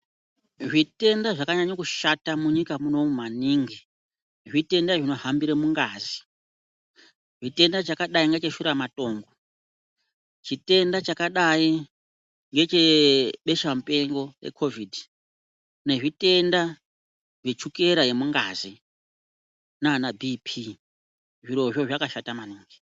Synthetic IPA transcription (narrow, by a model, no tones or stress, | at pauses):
ʐite̞ndaʐakaɲaɲokuʃatamuɲikamuno̞mumaniːŋɡi | ʐite̞ndaʐino̞hambiɾemuŋɡazi | ʐite̞ndat͡ʃakaɗaiŋɡet͡ʃeʃuɾamato̞ːŋɡo | t͡ʃite̞ndat͡ʃakaɗai | ŋɡe̞t͡ʃe̞ɓe̞ʃamupe̞ŋɡo̞rḛkʰo̞vidi | ne̞ʐitʼe̞nda | ʐet͡ʃuke̞ɾaje̞muŋɡa̰ːzi | nanabʱipʰi | ʐiɾo̞ʐoʐakaʃatamaniːŋɡi̥